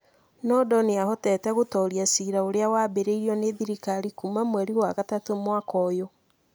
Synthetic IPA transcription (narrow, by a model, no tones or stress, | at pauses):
nɔːdɔneaɦɔtɛtɛɣotɔɾiasiɾaoɾeawaːbeɾeiɾiɔneðiɾikaɾikumamwɛɾiwaɣatatomwakɔjo